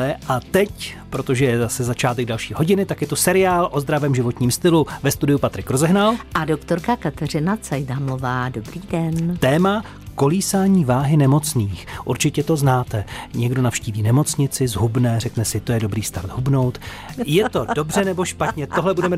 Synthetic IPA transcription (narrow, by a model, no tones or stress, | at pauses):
ɛʔat̪ɛcpɾo̞t̪oʒɛjɛzasɛzat͡ʃaːt̪ɛɡ̚dalʃiːɦo̞ɟɪnɪt̪akjɛt̪usɛɾɪaːlʔo̞zd̪ɾavɛːmʒɪvo̞t̪ɲiːmst̪ɪluvɛst̪udɪjupat̪ɾɪkɾozɛɦnalʔadokt̪oɾkakat̪ɛrɪnat͡sajdaːmlovaːdobɾiːdɛnt̪ɛːma | ko̞liːsaːɲiːvaːɦɪnɛmo̞t͡sniːxʔṵɾt͡ʃɪcɛt̪o̞znaːt̪ɛɲɛɡdo̞nafʃciːviːnɛmo̞t͡sɲɪt͡sɪzɦubnɛːr̝ɛknɛsɪt̪o̞jɛdo̞bɾiːst̪aɾd̪ɦubno̞wt̪ | jɛt̪o̞do̞brɛnɛbo̞ʃpat̪ɲɛt̪o̞ɦlɛbudɛmɛ